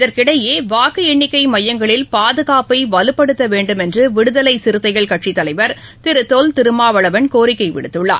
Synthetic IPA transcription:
ɪðɐɾkɪɽɐjeːʋaːkɯɛɳːɪkːɐɪmɐjːɐŋɡɐɭɪlpaːðɯɣaːpɐɪʋɐlɯpːɐɽɯt̪ːɐʋeːɳɖɯmɛndrɯʋɪɽɯðɐlɐɪsɪɾɯt̪ːɐɪɣɐɭkɐʈʂit̪ːɐlɐɪʋɐɾ | t̪ɪɾɯt̪ːoːlt̪ɪɾɯmaːʋɐɭɐʋɐnkoːɾɪkːɐɪʋɪ̰ɽɯt̪ːɯɭːa̰ː

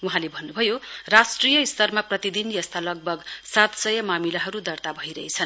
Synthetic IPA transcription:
uɦãlebʱʌnːubʱʌjorasʈrijʌist̪ʌrmaprʌt̪id̪injʌst̪alʌɡ̚bʱʌɡsat̪sʌjʌmamilaɦʌɾud̪ʌrt̪abʱʌiɾʌet͡sʰʌn

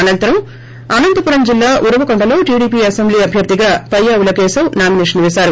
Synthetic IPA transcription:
ɐnɐnt̪ɐɾɐm | ɐnɐnd̪ɐpuɾɐmd͡ʒilːaːʔuɾɐʋɐkoɳɖɐlo̞ːʈiːɽiːp̬iːɐsembliːɐbʱjɐɾd̪iɡaːpɐjːaːʋulɐkeːsɐwnaːmineʂɐnʋesaːɾu

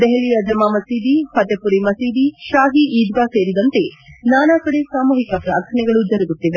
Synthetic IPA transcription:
d̪eɦeɭijɐd͡ʒɐmaːmɐsiːd̪ipɐt̪ːepuɾimɐsiːd̪iʃaːɦiʔiːd̪ʋaseːɾid̪ɐnt̪enaːnaːkɐɽesaːmuːɦikɐpɾa̰ːɾkʰɐnɛɡɐɭud͡ʒɐɾɐɡut̪ːiʋe

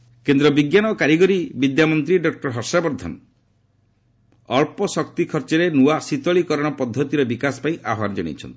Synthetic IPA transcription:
kend̪ɾɔbiɡjanɔkaɾiɡɔɾibid̪jamɔnt̪ɾiɖɔk̚ʈɔɾɦɔɾsabɔɾd̪ʱɔ̰n | ɔɭpɔsɔk̚t̪ikʰɔɾt͡ʃɔɾenuwasit̪ɔɭikɔɾɔɽ̃ɔpɔd̪ʱːɔt̪iɾɔbikasɔ̥paĩʔaɦaɾd͡ʒɔɽ̃ḭt͡ʃʰɔ̰nt̪i̥

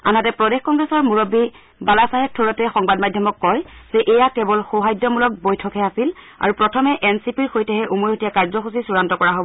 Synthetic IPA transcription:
a̰natɛpɹɔdexkɔŋɡɹɛsɔɹmuɹobi | balasaɦɛtʰːuɹɔtɛxɔŋbadmadʱjɔmɔkːɔjz̥ɛʔejakɛbɔlxoɦajdːɔmulɔk̚bojtʰɔkɦɛasil | a̰ɹupɹɔtʰɔmɛʔɛnsipiɹxojtɛɦɛʔumoɹetijakaɹzɔxusisuɹantɔkɔɹaɦobɔ

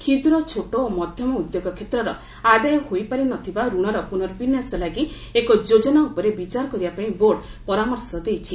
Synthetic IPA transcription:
kʰid̪ɾɔt͡ʃʰoʈoːmɔd̪ʱjɔmɔud̪joɡɔkʰet̪ɾɔɾɔ | ad̪ajɔhojpaɾinɔt̪ʰibaɾuɽ̃ɔɾɔpunɔɾɔbinjasɔlaɡi | ekɔd͡ʒod͡ʒɔnaupɔɾebit͡ʃaɾɔkɔɾibapaĩboɽ | pɔɾamɔɾsɔd̪ejt͡ʃʰi

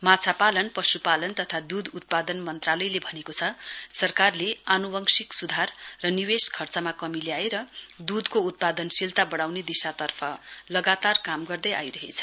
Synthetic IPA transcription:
mat͡sʰapalʌnpʌsupalʌnt̪ʌt̪ʰad̪ud̪ut̪̚pad̪ʌnmʌnt̪ralʌjlebʱʌnekot͡sʰʌsʌrkarleanubʌŋsiksud̪ʱarːʌniweskʰʌrt͡sʌmakʌmileaeɾʌd̪ud̪kout̪̚pad̪ʌnsilt̪abʌɽ̃awned̪isat̪ʌrpʰʌlʌɡat̪arkamɡʌrd̪ʌja̰jɾʌɦet͡sʰʌ̥

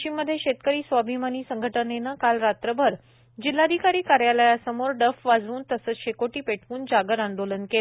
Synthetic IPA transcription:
t͡ɕimːəd̪ʱːjeɕet̪̚kəɾiːsʋabʱimaniːsəŋɡʱəʈənenəkalɾat̪ɾəbʱəɾ | d͡ʑil̤ːad̪ʱikaɾiːkaɾjaləjasəmoɾɖəfʋad͡zuːnt̪əsəːt͡sɕekoʈiːpeʈ̚ʰkuːnd͡ʑaɡəɾãnd̪olənke

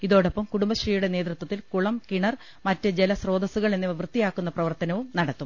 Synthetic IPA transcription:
iðo̞ːɽepːɐmkuɽumbɐɕriːjuɽe̞ne̞ːd̪rut̪wɐt̪ːilkuɭɐmkiɳɐr | mɐtːɨd͡ʑelɐsro̞ːd̪ɐsuɣɐɭenːiɐʋrɨt̪ːijaːkːunːɐprɐʋɐrt̪ɐnɐʋumnɐɽɐt̪ːum

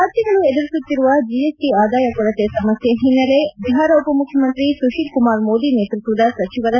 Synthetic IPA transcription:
aːɾt̪jɐɡɐɭued̪ɐɾisut̪ːiɾuʋɐd͡ʒijesʈiaːd̪aːjɐkɔɭɐt̪esɐmɐsjeɦinːɐle̞biɦaːɾɐupɐmukʰːjɐmɐnt̪ɾisuʃikumaːɾmoːd̪ineːt̪ɾit̪ʋɐd̪ɐsɐt͡ʃiʋɐd̪ɐ

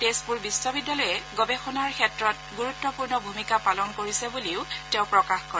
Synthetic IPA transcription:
tespuɹbisɔbidːalɔjɛɡɔbexɔnaɹkʰɛtɹɔt̚ɡuɹutːɔpuɹnɔbʱumikapalɔnkoɹisebuliʊteʊ̃pɹɔkaxkɔɹɛ

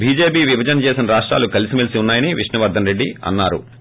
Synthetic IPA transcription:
bʱiːd͡ʒe̞ːpiːʋibʱɐd͡ʒɐnɐt͡ʃeːsinɐɾaːʂʈɾa̰ːlukɐlisimɐlisiunːaːjɐniʋiʂɳnɐʋɐɾd̪ʱɐnɾe̞ɖːiɐ̰nːaːɾṵ

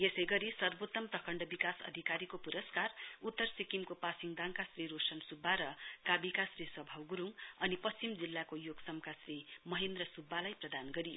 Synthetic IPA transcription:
jesʌjɡʌɾisʌrbot̪ːʌmprʌkʰʌɳɖʌbikasʌ̰d̪ʱikaɾikopuɾʌskarut̪ːʌrsikimkopasiŋd̪aŋkasriɾosʌnsubʱːaɾʌkabikasriswʌbʱawɡuɾuŋʌnipʌst͡simd͡zilːakojoɡsʌmkasrimʌɦend̪rʌsubʱːalajprʌd̪anɡʌɾijo̰

